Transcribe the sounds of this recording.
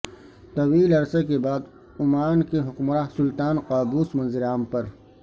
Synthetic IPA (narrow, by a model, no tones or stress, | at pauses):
t̪ɐwiːlɐɾsekebaːd̪ | ʊmaːnkeɦʊkmɾaːsʊlt̪aːnqaːbuːsmɐ̃nzɪɾaːmpɐɾ